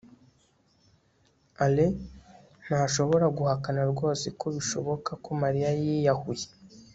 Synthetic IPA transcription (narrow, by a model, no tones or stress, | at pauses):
ale | naʃo̞βo̞ɾaɡuhakanaɾɡo̞ːsikoβiʃo̞̰βo̞kakomaɾijajijahuje̥